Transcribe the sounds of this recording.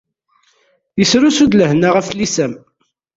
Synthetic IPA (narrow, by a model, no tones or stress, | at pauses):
jəsɾusud̪ləhnaʁæflisæm